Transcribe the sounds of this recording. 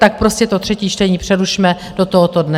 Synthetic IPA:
t̪ak̚pɾo̞scɛt̪o̞t̪r̝̥ɛciːt͡ʃt̪ɛɲiːpr̥ɛduʃmɛ | d̥ot̪oɦot̪o̞dnɛ

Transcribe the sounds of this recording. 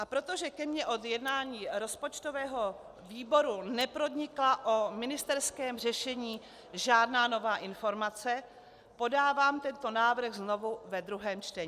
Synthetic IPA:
ʔapɾo̞t̪o̞ʒɛkɛmɲɛʔo̞d̪jɛdnaːɲiːɾo̞spo̞t͡ʃt̪o̞vɛːɦo̞ | viːbo̞ɾunɛpɾo̞dɲɪklaʔomɪnɪst̪ɛɾskɛːmr̝ɛʃɛɲiː | ʒaːdnaːno̞vaːʔɪnfo̞ɾmat͡sɛ | po̞daːvaːmt̪ɛnt̪o̞naːvɾ̩ɣzno̞vuvɛd̪ɾuɦɛːmt͡ʃt̪ɛɲ

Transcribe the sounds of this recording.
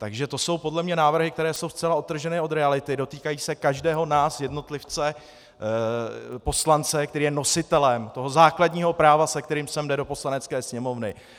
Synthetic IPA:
t̪aɡʒɛt̪o̞so̞wpo̞dlɛmɲɛnaːvr̩ɦɪk̚t̪ɛɾɛːso̞wst͡sɛlaot̪ːr̩ʒɛnɪʔo̞d̪ɾɛalɪt̪ɪdo̞t̪iːkajiːsɛkaʒdɛːɦo̞naːsjɛdno̞t̪lɪft͡sɛ | po̞slant͡sɛkt̪ɛɾiːjɛno̞sɪt̪ɛlɛmt̪o̞ɦo̞zaːkladɲiːɦo̞pɾaːvasɛk̚t̪ɛɾiːmsɛmdɛdo̞po̞slanɛt͡skɛːsɲɛmo̞vnɪ

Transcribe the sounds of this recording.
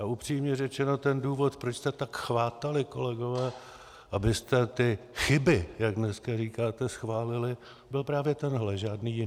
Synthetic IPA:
aʔupr̝̥iːmɲɛrɛt͡ʃɛno̞t̪ɛnduːvo̞t̪pɾot͡ʃst̪ɛt̪akxvaːt̪alɪko̞lɛɡo̞vɛː | ʔabɪst̪ɛt̪ɪxɪbɪjaɡdnɛskariːkaːt̪ɛsxvaːlɪlɪ | bɪlpɾaːvjɛt̪ɛnɦlɛʒaːdniːjɪn

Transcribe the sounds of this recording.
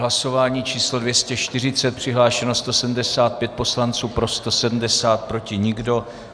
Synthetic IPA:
laso̞vaːɲiːt͡ʃiːslo̞dvjɛscɛʃt̪ɪr̝ɪt͡sɛt̪̚pr̝̥ɪɦlaːʃɛnost̪o̞sɛdm̩dɛsaːt̪̚pjɛt̪̚po̞slant͡suːpɾo̞st̪o̞sɛdm̩dɛsaːt̪̚pɾo̞cɪɲɪɡdo̞

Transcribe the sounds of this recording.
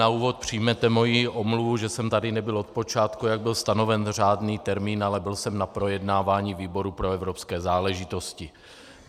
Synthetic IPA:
auːvo̞t̪̚pr̝̥ijmɛt̪ɛmo̞jiʔo̞mluvuʒɛsɛmt̪adɪnɛbɪlo̞t̪̚pot͡ʃaːt̪kujaɡ̚bɪlst̪ano̞vɛnr̝aːdniːt̪ɛɾmiːnalɛbɪlsɛmnapɾo̞jɛdnaːvaːɲiːviːbo̞ɾupɾo̞ɛvɾopskɛːzaːlɛʒɪt̪o̞scɪ

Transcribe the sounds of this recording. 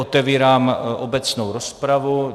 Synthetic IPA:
ot̪ɛviːɾaːmʔobɛt͡snowɾospɾavu

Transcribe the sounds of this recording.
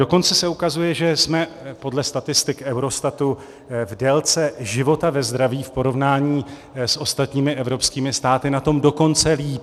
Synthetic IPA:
do̞ko̞nt͡sɛsɛukazujɛʒɛsmɛpo̞dlɛst̪at̪ɪst̪ɪkʔɛwɾo̞st̪at̪u | vdɛlt͡sɛʒɪvo̞t̪avɛzd̪ɾaviːfpo̞ɾo̞vnaːɲiː | sʔo̞st̪at̪ɲiːmɪʔɛvɾo̞pskiːmɪst̪aːt̪ɪnat̪o̞mdo̞ko̞nt͡sɛliːp

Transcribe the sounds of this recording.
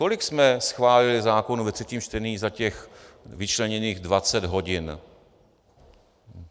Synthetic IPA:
kolɪksmɛsxvaːlɪlɪzaːko̞nuvɛt̪r̝̥ɛciːmt͡ʃt̪ɛniːɣzacɛxvɪt͡ʃlɛɲɛniːɣdvat͡sɛdɦo̞ɟɪn

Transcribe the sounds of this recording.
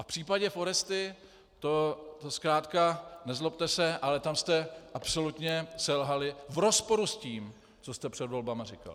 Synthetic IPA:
ʔafpr̝̥iːpaɟɛfo̞ɾɛst̪ɪ | t̪o̞t̪oskɾaːt̪kanɛzlop̚t̪ɛsɛʔalɛt̪amst̪ɛʔapso̞lut̪ɲɛsɛlɦalɪvɾo̞spo̞ɾusciːm | t͡so̞st̪ɛpr̝̥ɛd̪vo̞lbamarɪka̰lɪ

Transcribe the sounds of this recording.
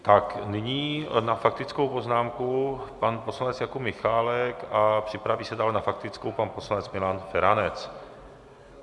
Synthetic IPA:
t̪aknɪɲiːnafak̚t̪ɪt͡skowpo̞znaːmkupanposlanɛt͡sjakumɪxaːlɛkapr̝̥ɪpɾaviːsɛdaːlnafak̚t̪ɪt͡skowpanpo̞slanɛt͡smɪlaːnfɛɾanɛt͡s

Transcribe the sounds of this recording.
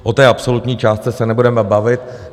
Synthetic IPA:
ʔot̪ɛːʔapso̞lut̪ɲiːt͡ʃaːst̪t͡sɛsɛnɛbudɛmɛbavɪt̪̚

